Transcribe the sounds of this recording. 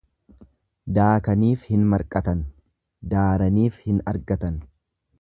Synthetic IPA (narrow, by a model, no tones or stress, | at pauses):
d̪aːkɐniːfhɪnmɐɾkʼɐt̪ɐn | d̪aːɾɐniːfhɪnɐ̰ɾɡɐt̪ɐn